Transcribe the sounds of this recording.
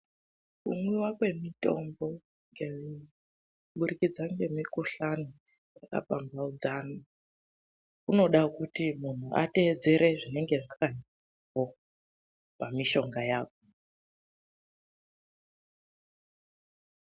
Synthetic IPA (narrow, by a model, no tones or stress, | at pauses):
kṵmwiwakwe̞mito̞̰mbo̞ | ŋɡe̞ | ɓuɾikid͡zaŋɡe̞mikuɬano | jaka̰pambaud͡zani | kuno̞ɗakutimun̤uʔa̰te̞ːd͡ze̞ɾe̞ʐine̞ŋɡe̞ʐaka | ko | pamiʃo̞ŋɡajaːko